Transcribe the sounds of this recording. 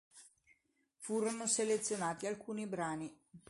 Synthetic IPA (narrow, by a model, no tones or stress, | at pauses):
fuːɾonoselet̪sːjonaːt̪ialkuːnibɾaːni